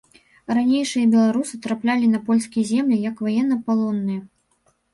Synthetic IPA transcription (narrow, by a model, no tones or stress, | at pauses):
ranʲejʂɨjɐbʲɛlˠaɾusɨt̪ɾaplʲalʲinɐpɔlʲskʲijzʲɛmlʲijɐkvajɛnːɐpalˠɔnːɨjɐ